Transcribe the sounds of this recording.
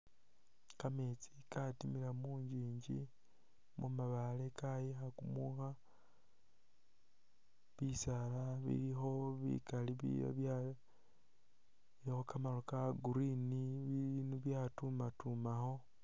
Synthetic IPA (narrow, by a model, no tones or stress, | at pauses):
kamet͡si̥katimilamuːɲd͡ʒiːɲɟḭ | mumaβalekʰajixakumuxa | βisalaβḭlixo̞βḭkaliβḭa̰βja | ixokamalokaɡuɾiniβiinuβjatumatumaxo̞